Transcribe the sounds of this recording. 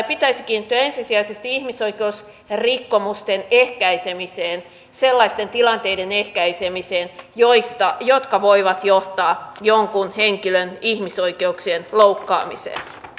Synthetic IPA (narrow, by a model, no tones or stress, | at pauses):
pit̪æisikiːnit̪ːyæensisiæisest̪iihmisoikeus | rikːomust̪enehkæisemiseːn | selːɑist̪ent̪ilɑnt̪eidenehkæisemiseːnjoist̪ɑjot̪kɑʋoiʋɑt̪joht̪ɑːjoŋkunheŋkilønihmisoikeuksienloukːɑ̰ːmḭsḛːn